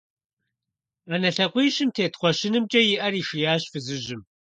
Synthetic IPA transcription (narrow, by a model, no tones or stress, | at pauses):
aːnɐɬɐqʷiːɕɪmtʰeːtχʷɔʃɪnɨmt͡ʃʼɐjɪʔɐriːʂijaːɕfɨzɨʒɪm